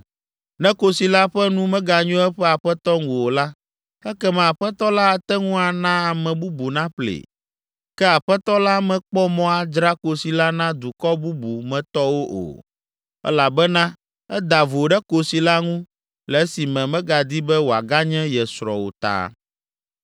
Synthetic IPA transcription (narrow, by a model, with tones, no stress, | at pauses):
nɛ̃˦ko˦si˨la˦ɸɛ˦nũ˦mɛ̃˦ɡa˨ɲũ˦ɛ˦ɸɛ˦a˨ɸɛ˦t̪ɔ˦ŋũ˨o˨la˦ | ɛ˦kɛ˦mɛ̃˨a˨ɸɛ˦t̪ɔ˦la˦˨t̪ɛ˦ŋũ˦a˨nã˦a˨mɛ̃˨bu˦bu˨nã˦ɸlḛ˨ | kɛ˦a˨ɸɛ˦t̪ɔ˦la˦mɛ̃˨k͡pɔ˦mɔ̃˦a˦˨d͡ʒɾa˦ko˨si˨la˦nã˦d̪u˨kɔ˦bu˦bu˨mɛ̃˨t̪ɔ˦wo˦ʔo̰˨ | ɛ̰˦la˨bɛ˦nã˦ | ɛ˦d̪a˨vo˨ɖɛ˦ko˨si˨la˦ŋũ˦ | lɛ˨˦si˨mɛ̃˨mɛ̃˦ɡa˨d̪i˦bɛ˦wo˨a˨ɡa˦ɲɛ̃˦jɛ˨sɾɔ̰˨wo̰˨t̪a̰ː˨